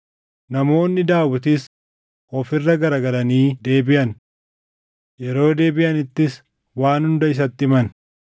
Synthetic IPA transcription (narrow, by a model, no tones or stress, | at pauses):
nɐmo̞ːnːɪd̪aːwʊt̪̬ɪs | ɔfɪrːɐɡɐɾɐɡɐlɐniːd̪e̞ːbɪʔɐn | jɛɾo̞ːd̪e̞ːbɪʔɐnɪt̪ːɪs | waːnhʊnd̪ɐɪs̬ɐt̪ːɪmɐn